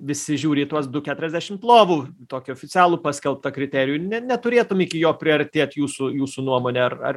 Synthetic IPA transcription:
ʋʲɪsʲɪʒʲuːɾʲɪiːt̪uɔsd̪ʊkʲæːt̪ʊɾɛzʲd̪ʲæːʃʲɪmplˠoːʋuːt̪oːkʲʊɔːfʲɪt͡sʲæːlˠuːpɑːsʲkʲɛlˠp̚t̪ɐkɾʲɪt̪ʲæːɾʲɪjunʲɛnʲɛt̪ʊɾʲeːt̪ʊmiːkʲɪjoːpʲɾʲɪɐɾʲt̪ʲeːt̪ʲjuːsujuːsunuɔmoːnʲɛɐrɐ̰r

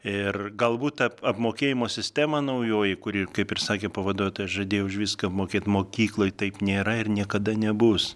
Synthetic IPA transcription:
ɪrɡɐlˠbuːt̪tɐɐpmoːkʲeːjɪmoːsʲɪsʲt̪ʲæːmɐnɐʊjoːjɪkʊɾʲikɐɪpɪrsɑːkʲeːpɐʋɐd̪oɔjt̪oːjɐʃʒɐd̪ʲeːjɛʊʊʃʋʲiːskɐɐpmoːkʲeːt̪moːkʲiːklˠoːjt̪ɐɪpnʲeːɾɐɪɾnʲiɛkɐd̪ɐnʲɛbʊs

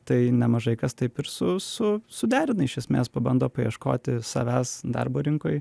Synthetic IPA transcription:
t̪ɐɪnʲɛmɐʒɐɪkɐst̪ɐɪpɪɾsʊsʊsʊd̪ʲæːɾʲɪnɐɪʃʲɛsʲmʲḛːspɐbɐnd̪oːpɐjiɛʃko̰ːt̪ʲɪsɑ̰ʋʲæːsd̪ɐ̰rboːɾʲɪŋkoːj

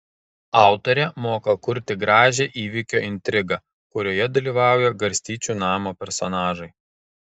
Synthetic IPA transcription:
ɑˑʊt̪oɾʲɛmoːkɐkʊɾʲt̪ʲɪɡɾɑːʒʲeːʔiːʋʲiˑkʲoːʔɪnʲt̪ʲɾʲɪɡɐ | kʊɾʲoːjɛd̪ɐlʲiːʋɑˑʊjɛɡɐɾʲsʲt̪ʲiːt͡ʃʲuːnɑːmoːpʲɛɾsɔnɑːʒɐɪ

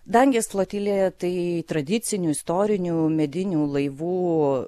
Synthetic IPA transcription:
d̪ɐŋʲɡʲɛslˠɐt̪ʲiːlʲeːt̪ɐɪt̪ɾɐd̪ʲɪt̪sʲɪnʲuːɪst̪oːɾʲɪnʲuːmʲɛd̪ʲɪnʲuːlˠɐɪʋuː

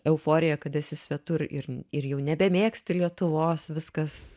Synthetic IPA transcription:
ɛʊfoːɾʲɪjɛkɐt̪ɛsʲɪsʲʋʲɛt̪ʊɾɪ̰ɾɪrjɛʊnʲɛbʲɛmʲeːksʲt̪ʲɪlʲiɛt̪ʊʋoːsʋʲɪskɐs

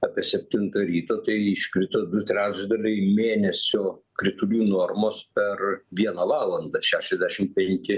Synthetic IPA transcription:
ɑːpʲiɛsʲɛpʲt̪ʲɪnt̪ɐɾʲiːt̪oːt̪ɐɪɪʃʲkɾʲɪt̪od̪ʊt̪ʲɾʲæːd͡ʒd̪ɐlʲɛɪmʲeːnʲɛsʲoːkɾʲɪt̪ʊlʲuːnoːrmoːspʲɛrʋʲiɛnɐʋɑːlˠɐnd̪ɐʃʲæːʃʲɛzʲd̪ʲæʃʲɪmpʲɛŋʲkʲɪ

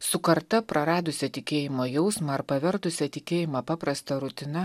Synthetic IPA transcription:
sʊkɐɾt̪ɐpɾɐɾɑːd̪ʊsʲɛt̪ʲɪkʲeːjɪmoːjɛʊsmɐɐɾpɐʋʲɛɾt̪ʊsʲɛt̪ʲɪkʲeːjɪmɐpɑːpɾɐst̪ɐɾʊt̪ʲɪnɐ

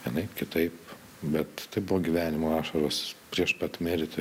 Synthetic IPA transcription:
jɪnɐɪkʲɪt̪ɐɪp | bʲɛt̪t̪ɐɪbʊʋoːɡʲiʋʲæːnʲɪmoːɑːʃɐɾoːspʲɾʲiɛʃpɐt̪mʲɪɾʲt̪ʲɪ

